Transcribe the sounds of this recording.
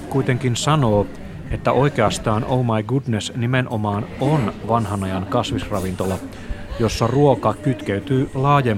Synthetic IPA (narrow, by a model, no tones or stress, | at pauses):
kuit̪e̞ŋkinsɑno̞ː | et̪ːæʔo̞ike̞ɑst̪ɑːnʔowmɑjɡudnesnimenʔomɑːnonʋɑnhɑnɑjɑŋkɑsʋisrɑʋint̪o̞lɑ | jo̞sːɑruokɑkyt̪keyt̪yːlɑːje